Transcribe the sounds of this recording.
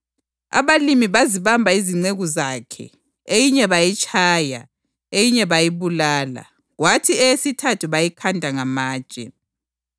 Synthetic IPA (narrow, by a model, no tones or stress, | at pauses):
a̰βalimiβaziβambʱaiziŋ͡ǀeɣuzakʰɛ̰ | ejiɲɛβajit͡ʃʼʰaːja̰ | ejiɲɛβajiβulaːla̰ | ɣwatʰiɛjesitʰatʰuβajikʰandʱaŋamḁːt͡ʃʼɛ̰